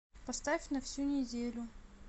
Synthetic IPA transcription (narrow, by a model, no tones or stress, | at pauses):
pɐst̪afʲnɐfsʲunʲɪdʲelʲʊ